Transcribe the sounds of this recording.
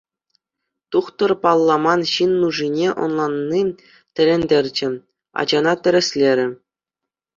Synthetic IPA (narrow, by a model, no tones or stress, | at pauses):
t̪uχt̪ɤ̆rpɑlˠːɑmɑnɕinːuʐinʲeʔŏ̰nlˠɑnːi | tʲɘ̆ɾʲenʲdʲerʲd͡ʑɘ̆ | ɑ̰d͡ʑɑnɑt̪ʲɘ̆ɾʲɘ̆sʲlʲeɾʲɘ̆